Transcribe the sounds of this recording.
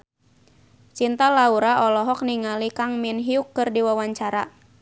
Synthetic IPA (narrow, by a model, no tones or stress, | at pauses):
t͡ʃint̪alauɾaɔlɔɦɔk̚niŋalikaŋminɦiukːɨrdiwawaɲt͡ʃaɾa